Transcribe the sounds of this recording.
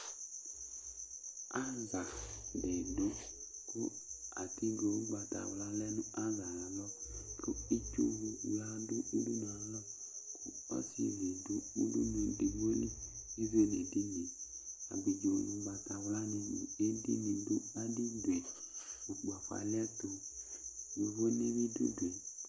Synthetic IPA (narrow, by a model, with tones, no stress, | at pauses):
a˦za˨de˨do˦ | ko˦a̰˨ti˦ɡo˨u˦ɡ͡ba˨ta̰˨wla˦lɛ˦nu˦a˦za˨la˨lɔ˦lo˦i˦t͡ʃo̰˦wu˨wla˦dʊ˦u˦du˦nɔ˨a˨˦lɔ˦ | kʊ˦ | ɔ̰˦sḭ˨ze˨do˦u˦dṵ˦no˨de˨bo˦li˦i˦ve˦ne˨di˦ne˨ | a̰˨bi˨d͡ʒo˨lu˨ɡ͡ba˨ta˨wla˦nu˧nṵ˨e˦di˦ni˨do˦a˦di˦dwe˨ | u˨k͡pa˨fa̰˨lɛ˦to˨ | jo˨vo˦ne˦βi˦dṵ˦dwe˨